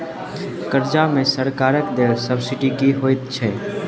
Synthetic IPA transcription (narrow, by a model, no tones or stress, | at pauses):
kəɾd͡ʒamẽsəɾkaːɾəkd̪eʋsəbsɪʈikiɦoːɪt̪̚t͡ʃʰɛ